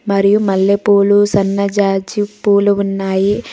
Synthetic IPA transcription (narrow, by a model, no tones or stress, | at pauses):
mɐɾijumɐlːepuːlusɐnːɐd͡ʒaːd͡ʒipuːluunːaːji